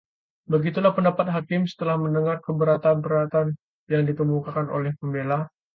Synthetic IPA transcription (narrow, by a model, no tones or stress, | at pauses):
bəɡit̪ulahpəndapat̪̚ɦakɪmsə̥t̪əlahməndəŋarkəbəɾat̪anbəɾat̪an | jaŋdit̪əmukakano̰lɛhkəmbela